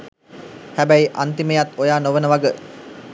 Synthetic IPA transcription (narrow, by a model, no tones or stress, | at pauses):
hæbæjʔant̪iməjat̪ojaːnoʋənəʋaɡə